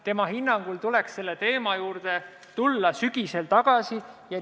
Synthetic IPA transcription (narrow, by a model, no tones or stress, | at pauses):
t̪e̞mɑhinːɑŋɡ̥ult̪ule̞ksse̞lːe̞t̪e̞ːmɑjuːɾd̪̥e̞ | t̪ulːɑsyɡ̥ise̞lt̪ɑɡ̥ɑsijɑ